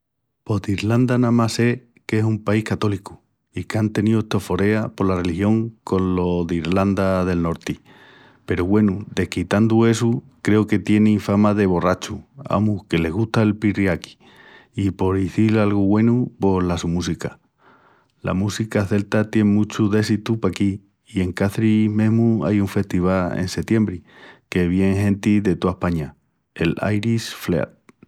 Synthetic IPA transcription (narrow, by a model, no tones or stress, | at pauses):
po̞ðiɾland̪anãmase̞ | ke̞sumpaihkat̪o̞liku̥ | ikeant̪e̞nioet̪o̞fo̞ɾe̞apo̞ɾlare̞lihjo̞ŋko̞nlo̞ðiɾland̪aðe̞lno̞ɾt̪i | pe̞ɾoɣwe̞nud̪e̞hkit̪and̪ue̞su | kɾe̞oke̞t̪je̞neifamaðe̞β̞o̞rat͡ʃua̰muke̞le̞ɣ̞uht̪aelpirjaki̥ | ipo̞ɾiθilalɣuɣwe̞nupo̞lasumusika | la̰musikaθe̞lt̪at̪je̞ŋmũt͡ʃuðe̞s̬it̪upakiː | e̞ŋkaθɾimẽ̞ɦmua̰juɱfe̞ht̪iβ̞alḛnse̞t̪je̞mbɾike̞βje̞ŋɦẽ̞nt̪iðe̞t̪oahpaɲa | ela̰jɾisflḛa̰t̪̚